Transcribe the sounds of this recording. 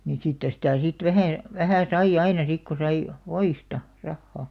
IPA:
nin siːtːæ̆ sitæˑ sit ʋæhæ ʋæhæˑ sɑij̆ ɑinɑ sik ko sɑi ʋoistɑ rɑhːɑˑ

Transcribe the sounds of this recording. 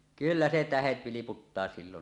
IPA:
kylːæ se tæhet ʋiliputːɑː silːon

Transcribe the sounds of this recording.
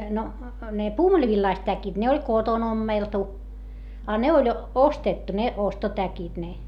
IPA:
no ne puːmulʲĭʋilːɑist tækit ne olʲ koton omːeltu ɑ ne olʲ ostetːu ne ostotækit ne

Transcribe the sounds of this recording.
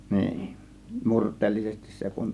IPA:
niːn murtˑeːlːisesti se kun

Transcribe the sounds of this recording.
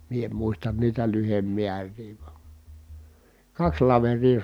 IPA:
mie em muistɑn niːtæ lyhemːiærˑiː ʋɑ̥ kɑks lɑʋerˑiː

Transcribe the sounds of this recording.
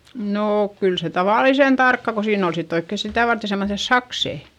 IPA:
noːk kyl se tɑʋɑˑlisen tɑrkːɑ ko siːn ol sitː oikːe sitæˑ ʋɑrte semːoθes sɑkseˑ

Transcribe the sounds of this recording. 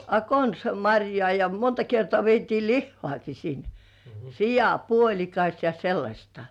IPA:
ɑ konsɑ mɑrʲjŏɑˑ jɑ montɑ kertŏɑˑ ʋietiː lihːŏɑˑki sin sijɑˑpuolʲikɑs jɑ selːɑsʲtɑ̥

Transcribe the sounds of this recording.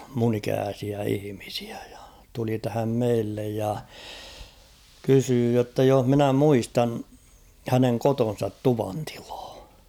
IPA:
mun ikæːsiæ ihĭmisi̥æ̥ j̊ɑ̥ tuli tæhæm meilːej jɑ kysyː jotːɑ joh minæ muistɑn hæneŋ koton̞sɑt tuʋɑnti̥l̥ɑ̥ː

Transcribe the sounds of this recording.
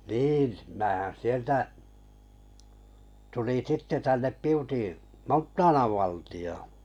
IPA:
niːn mæːhæn sieltæ tuliŋ sitːe tænːep piuti montːɑːnɑʋ ʋɑˑltij̆oː

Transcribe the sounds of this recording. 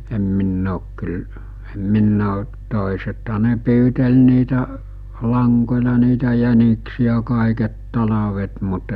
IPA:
em minː oːk kyl em minː oː toˑesethɑ ne pyːtel niːtæ lɑŋkolʲɑ niːtæ jæniksiæ kɑˑiket tɑlɑʋet mut

